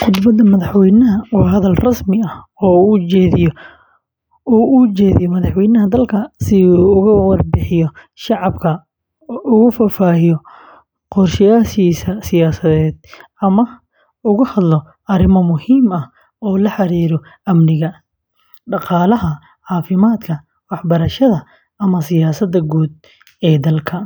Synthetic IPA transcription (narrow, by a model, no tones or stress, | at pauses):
ħʊd̪bɐd̪ɐmɐðɑħwɛjnɐɦɐwɦɐðɐlrɐsmɪɐhɔːut͡ʃɛːðɪjɔ | uːʔut͡ʃɛːðɪ̰jɔmɐðɑħwɛjnɐɦɐd̪ɐlkʰɐsɪuʊɣʊwɑrbɪħɪjɔ | ʃɑʕɑbkʰɐ | ʔʊɣʊfaːfaːɪjɔ | qɔrʃɪjaːʃiːsɐsɪjaːsɐðɛːd̪̚ | ɐmɐ | ʊɣʊhɐd̪lɔ | ɐɾɪmɐmʊhiːmɐh | ɔːlɐħɑɾiːɾɔ | ʔɐmnɪɣɐ | ɖɑqɑːlɐɦɐ | ʕɑːfɪmaːd̪kʰɐ | wɑħbɐɾɐʃɐðɐ | ɐmɐsɪjaːsɐd̪ɐɡuːd̪̚ | ɛːd̪ɐlkʰɐ